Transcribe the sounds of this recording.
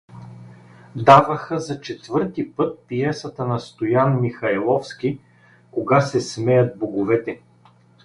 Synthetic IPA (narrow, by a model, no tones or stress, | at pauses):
d̪avəxəzɐt͡ʃɛt̪vɤɾt̪ipɤt̪̚piɛsət̪ənɐst̪ojanmixɐɛlˠɔfsk̟ʲi | koɡasɛsmɛjɐt̪̚boɡovɛt̪ɛ